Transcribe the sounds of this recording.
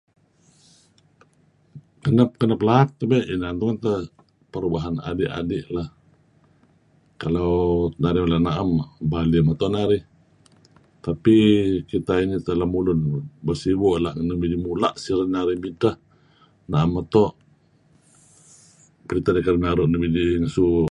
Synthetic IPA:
kənəp̚kənəplaat̪̚ːəbeʔinant̪uŋant̪ə | pəɾubaɦana̰dɪʔa̰dɪʔlah | kalawnaɾimlanaʔambalimat̪ɔʔnaɾih | t̪apikit̪ainit̪əlahmulʊnbərsibɔʔlahnəmid͡ʒimulaʔsiɾənaɾihmint̪ah | naʔamːat̪oʔ | pəɾit̪adikadənaɾuʔnəmid͡ʒiŋsu

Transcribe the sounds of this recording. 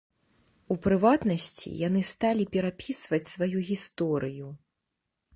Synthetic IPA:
upɾɨvat̪nɐsʲt͡sʲḭjan̪ɨst̪alʲipʲɛɾapʲisvɐt͡sʲsvajuɣʲist̪ɔɾɨju

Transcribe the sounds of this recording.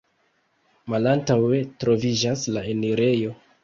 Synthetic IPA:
malantawe̞tɾo̞vid͡ʒaslaeniɾe̞jo̞

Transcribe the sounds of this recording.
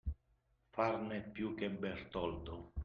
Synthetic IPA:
farnepːjukːebːɛrt̪ɔld̪o

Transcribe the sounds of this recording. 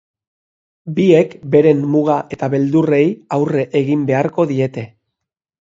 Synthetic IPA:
biekbe̞ɾe̞mːuɣaʔe̞t̪aβe̞ld̪ure̞jawre̞ʔeɣimbe̞aɾko̞ðie̞t̪e̞

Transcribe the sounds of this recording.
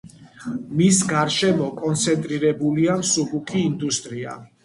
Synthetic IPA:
misɡaɾʃɛmɔkʼɔnt̪sʰɛnt̪ʼɾiɾɛbuliamsubukʰʼiːnd̪ust̪ʼɾia̰

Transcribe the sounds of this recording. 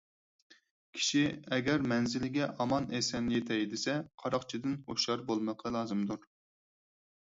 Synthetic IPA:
kʲʰi̥ʃiɛɡʲɛɾmɛnzɪlɪɡʲɛʔɑmɑnesɛnjet̪ʰɛjd̪ɪsɛqʰɑɾɑqt͡ʃʰid̪ɪnoʃɑɾbolˠməqʰɑlˠɑːzɨmd̪uɾ

